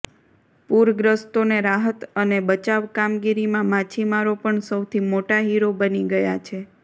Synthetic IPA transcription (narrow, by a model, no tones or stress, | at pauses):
puɾɡɾəst̪oneɾaɦət̪ənebət͡ʃaʋkamɡiɾimãmãt͡ʃʰimaɾopəɳsəwt̪ʰimoʈaɦiɾobəniɡəjat͡ʃʰe